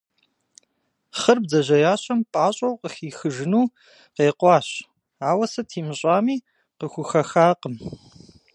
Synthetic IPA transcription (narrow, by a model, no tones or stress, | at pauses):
χərbzɐʑɐjaːɕʼɐmpʼaːɕʼɐwqəxiːxɨʒɨnuː | qeːqʷʼɑːɕ | aːwɐsɐtʰiːmɨɕʼaːmiː | qəxʷʊxɐxaːqəm